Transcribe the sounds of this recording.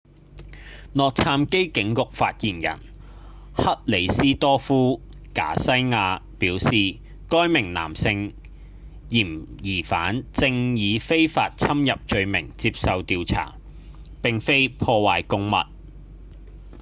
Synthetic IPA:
nɔː˨k̚t͡sʰaː˧mke˥jkɪ˨˥ŋkʊ˨k̚faː˧t̚jiː˨˩njɐ̰˨˩n | hɐ˥t̚le˨˩jsiː˥t̪ɔː˥fuː˥ | ka̰ː˨˥sɐ˥jŋaː˧piː˨˥wsiː˨ | kɔː˥jmɪ˨˩ŋna̰ː˨˩msɪ˧ŋ | jiː˨˩mjiː˨˩fa̰ː˨˥nt͡sɪ˧ŋjiː˨˧fe˥jfaː˧t̚t͡sʰɐ˥mjɐ˨p̚t͡ʃɵ˧ɥmɪ˨˩ŋt͡siː˧p̚sɐ˨wt̪iː˨˧wt͡sʰa̰ː˨˩ | pɪ˨ŋfe˥jpʰɔː˧waː˨jkʊ˥ŋmɐ̰˨t̚

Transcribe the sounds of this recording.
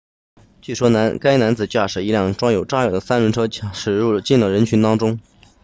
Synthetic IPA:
t͡ɕy˥˩ʂwɔ˥n˧˥ka˥ɪna˧˥nt͡sɹ̩˨˩t͡ɕja˥˩ʂɻ̩˨˩i˧˥ljɑ˥˩ŋʈ͡ʂwɑ˥ŋjo˨˩ʊʈ͡ʂa˥ɻd̪ə˦sa˥nɻə˧˥nʈ͡ʂʰɤ˥ʂɻ̩˨˩ɻu˥˩t͡ɕi˥˩nlə˩ɻə˧˥nt͡ɕʰy˧˥nt̪ɑ˥ŋʈ͡ʂʊ˥ŋ

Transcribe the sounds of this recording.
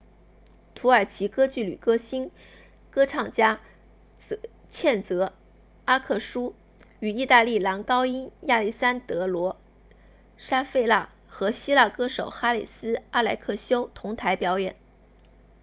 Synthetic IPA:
t̪ʰu˧˥ə˞˨˩t͡ɕʰi˧˥kɤ˥t͡ɕy˥˩ly̰˨˩kɤ˥ɕi˥n | kɤ˥ʈ͡ʂʰɑ˥˩ŋt͡ɕja˥˧ | t͡ɕʰjɛ˥˩nt͡sɤ˧˥ | a˥kʰɤ˥˩ʂu˥ | y˨˩i˥˧t̪a˥˧li˥˩lɑ˧˥ŋkɑ˥ʊi˥nja˥˧li˥˩sa˥nt̪ɤ˧˥lwɔ˧˥ | ʂa˥fe˥˧ɪla˥˩ | xɤ˧˥ɕi˥la˥˩kɤ˥ʂo˨˩ʊxa˥li˨˩sɹ̩˥a˥la˧˥ɪkʰɤ˥˩ɕjo˥ʊt̪ʰʊ˧˥ŋt̪ʰa˧˥ɪpjɑ˧˥ʊjɛ˨˩˦n

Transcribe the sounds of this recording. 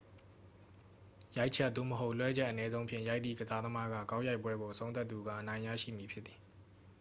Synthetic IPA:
ja˦ɪʔt͡ɕʰɛ˦t̪ːo̰˦˨məɦo˦ʊʔlwɛ˦d͡ʑɛ˦ʔənɛ˦zõ˦ʊ̃mpʰjɪ̰̃˨ja˦ɪt̪ðḭ˦˨ɡəza˦d̪əma˦ɡä̰˦˨kã˦ʊ̃ja˦ɪpwɛ˦ɡo˨ʔəsʰõ˦ʊ̃t̪a˦t̪ːu˨ɡä̰˦˨ʔənã˨ɪ̃ja̰˦˨ʃḭ˦˨mji˨pʰjɪ˦t̪t̪ːi˨

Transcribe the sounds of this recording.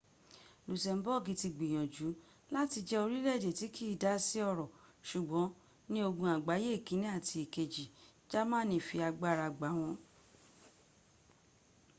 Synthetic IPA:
lu˨sɛ˨m̩˦bɔ˦˨ɡĩ˨˦ti˧ɡ͡bĩ˨j̃ɔ̃˨d͡ʒu˨˦ | la˦ti˧d͡ʒɛ˦o˧ɾi˦lɛ˦˨d͡ʒe˨ti˨˦kʰi˦˨da˦si˦ɔ˧˨ɾɔ˨ʃu˨ɡ͡bɔ̃˨˦ | nĩ˦o˧ɡũ˧a˨ɡ͡ba˨˦je˦˨kĩ˨˦nĩ˦a˦˨tʰi˧i˨ke˨d͡ʒi˨d͡ʒa˦mãː˦˨nĩ˧˨fi˧a˧ɡ͡ba˦˧ɾa˧ɡ͡ba˨˦w̃ɔ̃˧

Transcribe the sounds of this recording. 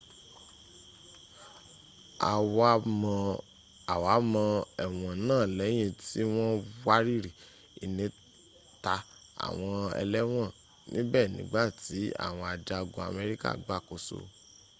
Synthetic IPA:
a̰˨w | a˨wa˨˦mɔ̃˧ɛ˨w̃ɔ̃˨nãː˦˨lɛ˨˦j̃ẽ˧ti˦w̃ɔ̃˦wa˦ɾi˦ɾi˨ | i˨nĩ˨˧˦ | ta˧ | a̰˨w̃ɔ̃˧ɛ̰˧lɛ˦w̃ɔ̃˦˨ | nĩ˦bɛː˦˨nĩ˨˦ɡ͡ba˦˨ti˨˦a̰˦˨w̃ɔ̃˧a˨d͡ʒa˧ɡo˧a̰˧˨mɛ˧ɾi˦ka̰˦˨ɡ͡ba˦˨ko˨˦so̰˧˨

